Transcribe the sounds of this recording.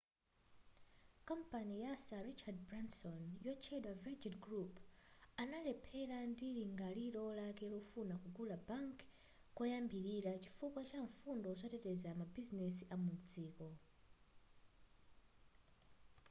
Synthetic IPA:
kam̩panijasaɾit͡ʃad̚bɾansɔnjɔt͡ʃʰɛɗwavɛd͡ʒinɡɾupanalɛpʰɛlandiliŋɡaliɾɔlakɛlɔfunakuɡulabaŋk | kɔjambiɾiɾat͡ʃi̥fukwat͡ʃaɱfundɔzʷatɛtɛzamabizinɛsiʔamum̩d͡ziːkɔ

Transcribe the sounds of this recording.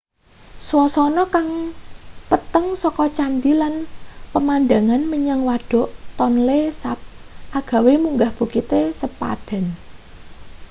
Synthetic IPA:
swɔsɔnɔkaŋ | pət̪əŋsɔkɔt͡ʃand̪ilanpəmand̪aŋanməɲaŋwaɖ̥ɔ̤ʔt̪ɔnlesap̚ʔaɡ̥a̤wemuŋɡahb̥ṳkit̪esəpa̰ɖ̥a̤n

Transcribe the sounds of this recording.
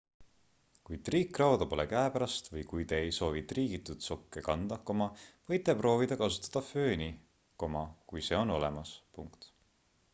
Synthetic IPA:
kujt̪riːkːˑrɑwd̪ɑpo̞lekæepæɾɑst̪vɤjkujt̪e̞ːjso̞ːvit̪riːɡit̪ːˑut̪so̞kːekɑnd̪̥ɑko̞mɑvɤjt̪ːˑe̞pro̞ːvid̪̥ɑkɑsu̥t̪ːˑɑ̥d̪̥ɑføːnʲi | ko̞mɑkujse̞ːo̞no̞lemɑspuŋkt̪

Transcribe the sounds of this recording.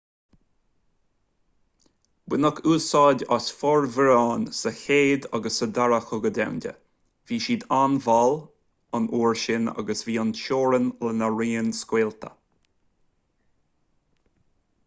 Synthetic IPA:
bɪnəkʰuːsɑːdʲasfɔɹvəɾɑːnsəheːd̪a̰ɡəsəd̪aɹəxʊɡədɛ̰wndʲə̰ | v̥iːʃiːd̪anvɔl | anʔuːɹʃɪna̰ɡəsviːanʃoːɾənlənəɹiːnskweːlt̪ʰə̰

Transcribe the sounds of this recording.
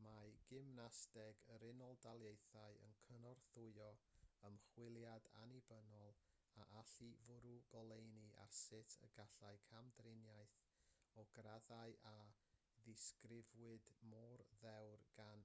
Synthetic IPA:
maɡ̥ɪmnastɛɡəɾɪnɔlˠdalˠjejθaɨə̰nkʰənɔrθʊɨɔəmχwɪlˠjada̰nibənɔlˠ | aʔaɬivʊɾuɡ̥ɔlˠejniʔa̰rsɪtʰə̰ɡaɬaɨkʰamdrɪnjajθ | ɔɡ̥raðaɨʔa | ðɪskrɪvwɨdmɔrðɛwrɡ̥an

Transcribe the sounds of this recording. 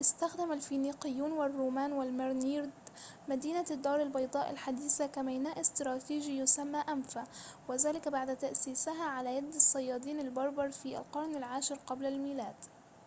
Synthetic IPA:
ʔɪst̪axd̪amalfiːniːqɪjːuːnwarˤːuːmaːnwalmɪɾniːɾd̪ | mad̪iːnad̪ːɑːɾˤɪlbɑjd̪ˤɑːʔa̰lħad̪iːsakamajnaːʔɪst̪ɾˤɑːt̪iːʒijʊsamːaːʔamfawɪðaːlɪkbaʕd̪t̪aʔsiːsɪɦaʕalaːjad̪ːɑsˤːɑjːɑːd̪ˤiːnalbɑɾˤbɑɾˤfiːʔa̰lqɑɾˤnalʕaːʃɪɾqɑblalmiːlaːd̪

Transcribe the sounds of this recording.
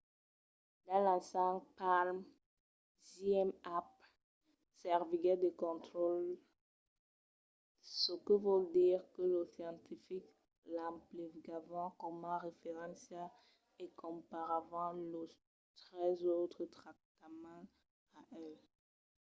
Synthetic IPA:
d̪ɑ̃lasãpalm | ziɛmap̚ | sɛʁviɡɛd̪əkɔ̃t̪χol | səkəvod̪iʁkələsjɑ̃t̪ifik | lãplivɡavɑ̃kɔmãʁefeʁɑ̃sjɛl | ekɔ̃paʁavɑ̃lə | t̪χɛzot̪χət̪χak̚t̪amɑ̃ | aʔɛl

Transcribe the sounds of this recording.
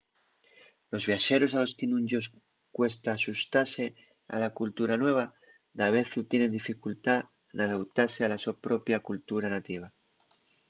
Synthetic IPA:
lo̞zβjaʃeɾo̞salo̞skinũɲʲd͡ʒos | kwe̞st̪aːsust̪aɾse | a̰lakult̪uɾanwe̞β̞a | d̪aβ̞eθut̪jenend̪ifikult̪a | enaðawt̪aɾsealasuapɾopjakult̪uɾanat̪iβ̞a

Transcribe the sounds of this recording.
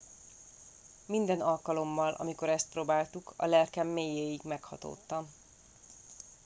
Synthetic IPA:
mind̪ɛnɒlkɒlo̞mːɒlʔɒ̰miko̞ɾɛst̪̚proːbaːlt̪ukʰɒ̰lɛlkɛmːeːjeːjiɡmɛkhɒ̰t̪o̰ːt̪ːɒm

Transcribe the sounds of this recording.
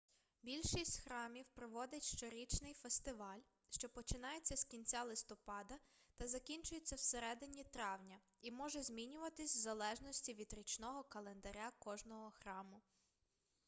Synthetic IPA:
bʲilʲʃisʲtʲxɾɑmʲiwpɾɔʋɔd̪ɪtʲʃt͡ʃɔɾʲit͡ʃnɪjfest̪ɪʋɑlʲ | ʃt͡ʃɔpɔt͡ʃɪnɑjet͡sʲːɐskʲinʲt͡sʲalˠɪst̪ɔpɑd̪ɐt̪ɐzɐkʲinʲt͡ʃʊjet͡sʲːɐwseɾɛd̪ɪnʲit̪ɾɑwnʲɐ | imɔʒɛzʲmʲinʲʊʋɐt̪ɪsʲzɐlˠɛʒnɔsʲtʲiʋʲid̪ɾʲit͡ʃnɔɦɔkɐlˠend̪ɐɾʲakɔʒnɔɦɔxɾɑmʊ

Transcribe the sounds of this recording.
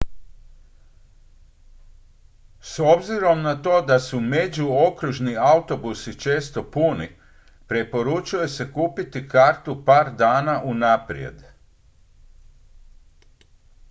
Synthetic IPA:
so̞bziɾo̞mnat̪o̞ːd̪asume̞d͡ʑuokɾuʒniaut̪o̞busit͡ʃe̞ːst̪o̞puni | pɾepo̞ɾut͡ʃuje̞se̞kuːpit̪ikaːɾt̪upaːɾd̪aːnaʔunapɾḭe̞̰d̪

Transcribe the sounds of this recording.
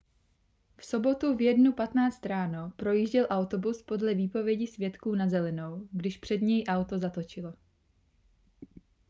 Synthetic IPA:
fso̞bo̞t̪uvjɛdnupat̪naːt͡st̪ɾaːno̞pɾo̞jiːʒɟɛlʔawt̪o̞buspo̞dlɛviːpo̞vjɛɟɪsvjɛt̪kuːnazɛlɛno̞wɡdɪʃpr̝̥ɛd̪ɲɛjʔawt̪o̞zat̪o̞t͡ʃɪlo

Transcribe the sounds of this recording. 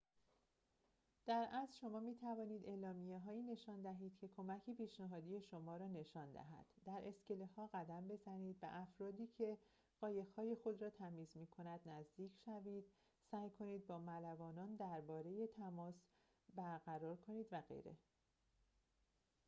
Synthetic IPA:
d̪̥æɾʔæzʃo̞mɒːmiːt̪ʰævɒːniːd̪e̞ːlɒːmijeɦɒːjiːne̞ʃɒːnd̪æɦiːd̪̥cʰe̞kʰo̞mæcʰepʰiːʃnæɦɒːd̪ije̞ʃo̞mɒːɾɒːne̞ʃɒːnd̪æ̰ɦæ̰d̪̥ːæɾʔe̞sce̞lehɒːɣæd̪æmbe̞zæniːd̪væ̰ʔæfɾɒːd̪iːcʰe̞ | ɢ̥ɒːje̞ɣhɒːje̞xo̞d̪ɾɒːt̪ʰæmiːzmiːkʰo̞næd̪næzd̪iːcʰʃæviːd̪̥ | sæːjkʰo̞niːd̪̚bɒːmælævɒːnɒːnd̪æɾbɒːɾe̞je̞t̪ʰæmɒːs | bæɾɡæɾɒːɾkʰo̞niːd̪væɣḛjɾe̞̰

